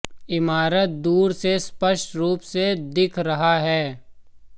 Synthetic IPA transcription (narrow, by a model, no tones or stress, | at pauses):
ɪmaːɾət̪̚d̪uːɾsespəʃʈɾuːpsed̪ɪkʰɾɐɦaɦɛː